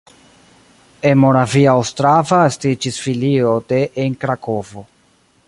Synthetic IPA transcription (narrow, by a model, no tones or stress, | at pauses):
enmoɾaviawstɾavaestid͡ʒisfilio̞de̞ʔeŋkɾako̞vo̞